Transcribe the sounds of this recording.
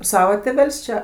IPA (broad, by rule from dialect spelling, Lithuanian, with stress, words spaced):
ˈsɑːʋɐ tʲeːˈʋʲɛlʲsʲ t͡ʃʲɛ